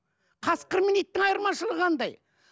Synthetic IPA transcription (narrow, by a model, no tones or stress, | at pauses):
qʰɑsqəɾminijt̪ːɪŋɑjəɾmɑʃəlˠəʁɑnd̪ɑj